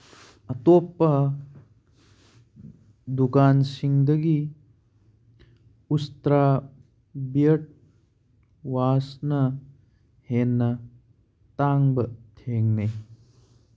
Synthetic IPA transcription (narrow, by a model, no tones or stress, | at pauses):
ɐtopːɐ | dukansiŋdɐɡi | ustɾa | bijɐt̚ | wasnɐ | henːɐ | taŋbɐtʰeŋni